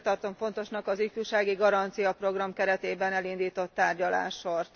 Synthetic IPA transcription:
t̪ɒrt̪o̞ɱfo̞nt̪o̞ʃnɒkɒzifuːʃaːɡiɡɒɾɒnt̪sijɒpro̞ɡrɒmkɛɾɛt̪eːbɛnɛlind̪iːt̪o̞t̪ːaːrɟɒla̰ːʃort̪

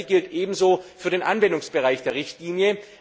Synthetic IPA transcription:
ɡɪltʔeːbm̩zoːfyːɐdeːnʔanvɛndʊŋsb̥əʁaɪçd̥eːɐʁɪçtliːnjə

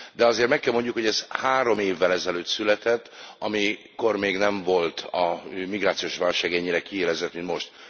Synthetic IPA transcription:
d̪ɛɒzeːrt̪mɛkːɛlmo̞ɲɟukho̞ɟɛzhaːɾo̞meːvːɛlɛzɛløːt̪sylɛt̪ɛt̪ːɒmi | ko̞rmeːɡnɛɱvo̞lt̪ɒmiɡraːt̪sioːʃʋaːlʃaːɡɛɲːiɾɛkieːlɛzɛt̪mint̪mo̞ʃt̪

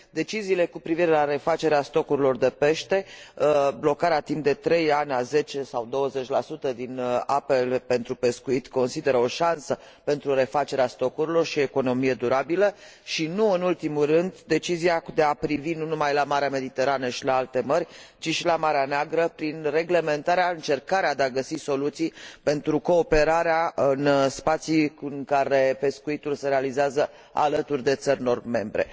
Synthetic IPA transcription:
d̪e̞t͡ʃiziːle̞kupɾiviɾe̞laɾe̞fat͡ʃe̞ɾeast̪o̞kuɾilo̞rd̪e̞pe̞ʃt̪e̞ | blo̞kaɾeat̪impd̪e̞t̪ɾe̞janʲaze̞t͡ʃe̞sawd̪o̞wəze̞t͡ʃʲlasut̪əd̪inape̞lpe̞nt̪ɾupe̞skuit̪ko̞nsid̪e̞ɾəo̞ʃansə | pe̞nt̪ɾuɾe̞fat͡ʃe̞ɾeast̪o̞kuɾilo̞rʃie̞ko̞no̞mije̞d̪uɾabilə | ʃinuɨnult̪imurɨnd̪d̪e̞t͡ʃiziad̪e̞apɾivinunumajlamaɾeame̞d̪it̪e̞ɾanəʃilaalt̪e̞mərʲt͡ʃiʃilamaɾeaneaɡɾəpɾinre̞ɡle̞me̞nt̪aɾeaɨnt͡ʃe̞rkaɾead̪eaɡəsiso̞lut̪sijpe̞nt̪ɾuko̞ːpe̞ɾaɾeaɨnspat̪siŋkaɾe̞pe̞skuit̪ulse̞ɾealizeazə | a̰lət̪urʲd̪e̞t̪sərʲno̞rme̞mbɾe̞̰

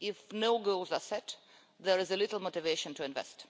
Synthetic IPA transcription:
ɪfnoʊɡolˠzasɛt | ðəɹɪzəlɪtl̩ˠmotɪveɪʃə̃ntʰuɪ̃nvɛ̰st

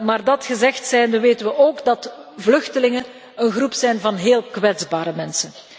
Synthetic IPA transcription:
maːrdɑtxəzɛxtsɛjndəʋeːtənʋəʔoːɡdɑtvlɵxtəlɪŋən | ənɣrupsɛjnvɑnɦeːlˠkʋɛdzbaːɾəmɛnsən

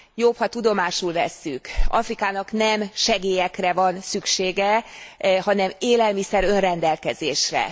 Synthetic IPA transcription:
jophɒt̪ud̪o̞maːʃulvɛsːykɒ̰frikaːnɒknɛmʃɛɡeːjɛkrɛvɒnsykʃeːɡɛ | ɦɒnɛmeːlɛlmisɛɾø̞nrɛnd̪ɛlkɛzeːʃrɛ̰

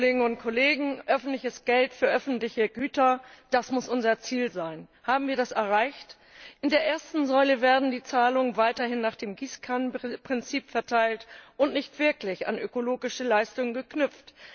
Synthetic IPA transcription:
leːɡŋ̩ʊnt̚kʰoleːɡŋ̩ʔœfn̩tlɪçəsɡ̥ɛltfyːɐʔœfn̩tlɪçəɡyːtɐd̥asmʊsʔʊnzɐt͡siːlzaɪnhaːbm̩viːɐdasɛɐʁaɪçt | ʔɪndeːɐʔeːɐstn̩zɔʏləvɛːɐdn̩diːt͡saːlʊŋənvaɪtɐhɪnːaːχd̥eːmɡiːskʰanpʁ̥ɪnt͡siːpfɛɐtʰaɪltʔʊntnɪçtv̥ɪɐklɪça̰nʔøkoloːɡɪʃəlaɪstʊŋənɡəknʏp͡ft

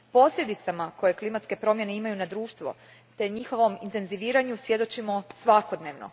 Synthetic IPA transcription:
po̞sʎʲe̞d̪it̪samako̞je̞klˠimat̪ske̞pɾo̞mje̞ne̞imajunad̪ɾuːʃt̪ʋo̞̰ | t̪e̞ɲixo̞ʋo̞mint̪e̞nziʋiːɾaɲusʋje̞d̪o̞t͡ʃimo̞sʋako̞d̪ne̞ːʋno̰

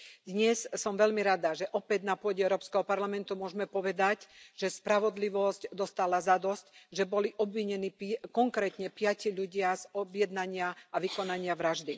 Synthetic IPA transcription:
d̪ɲɛssɔmʋɛʎmiɾad̪aʒɛʔɔpɛd̪napʊɔɟɛɛʊɾɔːpskɛɦɔpaɾlamɛnt̪umʊɔʒmɛpɔʋɛd̪acʒ̥ɛspɾaʋɔd̪liʋɔscd̪ɔst̪alazad̪ɔscʒɛbɔliʔɔbʋiɲɛniːpkɔŋkɾɛːt̪ɲɛpɪaciʎuɟɪazɔbjɛd̪naɲɪaaʋikɔnaɲɪaʋɾaʒd̪i

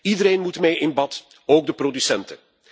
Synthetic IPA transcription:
idəɾeːnmutmejʔɪnbɑt | oːɡ̚dəprodysɛntə

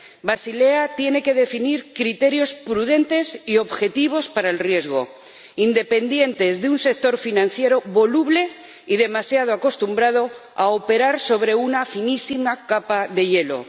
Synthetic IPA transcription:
basile̞at̪je̞ne̞ke̞ð̞e̞finiɾkɾit̪e̞ɾjo̞spɾuðe̞nt̪e̞sio̞βxe̞t̪iβ̞o̞spaɾaelrje̞zɣ̞o̞̰ | ind̪e̞pe̞nd̪je̞nt̪e̞zðeunse̞k̚t̪o̞ɾfinãn̟θje̞ɾo̞βo̞luβle̞ | iðe̞masjað̞oako̞st̪umbɾað̞o̞ | aope̞ɾaɾso̞β̞ɾe̞unafinisimakapaðe̞ʎe̞lo̞̰

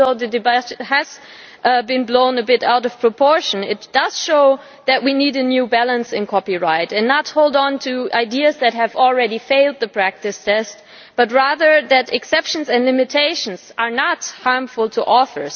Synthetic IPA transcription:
oʊðɨdɨbhɨz̥ | bɨ̃nblõʊ̃nɨbɪɾaʊɾʌv̥pʰɹ̥əpʰɔɹʃɨ̃nɪtd̥ʌz̥ʃoʊ | ðɨʔ̚winiɾɨnjʉbælˠə̃nsɨ̃nkʰɑpiɹaɪtɨ̃nːət̚hoʊlˠdn̩tʰɨaɪdiɨzðɨt̚ɦɨvl̩ˠɹɛɾifeɪlˠd̪̚ðɨpʰɹ̥æk̚tɨstʰɛst̚ | b̥ʌt̬̚ɹæðə˞ðɨɾɨksɛpʃɨ̃n̩zɨ̃nlɪ̃mɨtʰeɪʃn̩z̥ə˞nət̚hɑɹɱfəl̩ˠtʰəʔɔθə̰˞z̥

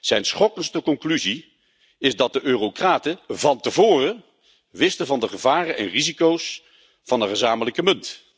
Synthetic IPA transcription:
z̥ɛjnsχɔkənstəkɔŋklyzi | ɪzdɑt̚dəʔøːrokraːtəvɑntəvʊːrə | ʋɪstəvɑndəχəvaːrənʔɛ̰nrizikows | fɑndəχəzaːmələkəmɵnt

